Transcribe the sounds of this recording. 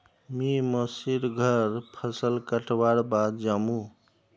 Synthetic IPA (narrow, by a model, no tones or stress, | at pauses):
miməsiɾɡʱəɾpʰəsəlkəʈbaɾbad̪̚d͡ʒamũ